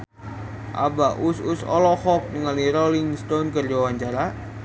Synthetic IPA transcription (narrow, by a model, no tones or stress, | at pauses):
ʔa̰baʔususɔ̰lɔhɔk̚nəŋaliɾolɪŋst̪onkərd͡ʒawaɲt͡ʃaɾa